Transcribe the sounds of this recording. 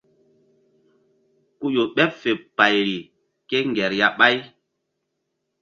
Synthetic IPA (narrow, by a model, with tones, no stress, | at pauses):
ku˦jo˨ɓɛ˦pfe˨pa˨jɾi˨ | ke˦ŋɡɛ˨ɾja˨ɓa˦j